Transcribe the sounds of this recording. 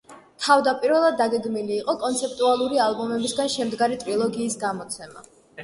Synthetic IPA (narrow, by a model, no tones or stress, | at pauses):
t̪ʰavd̪apʼiɾvɛlˠad̪ːaɡɛɡmiliːqʼɔkʼɔnt̪sʰɛp̚ʼt̪ʼualˠuɾialˠbɔmɛbisɡanʃɛmd̪ɡaɾit̪ʼɾilˠɔɡiːsɡamɔt̪sʰɛma̰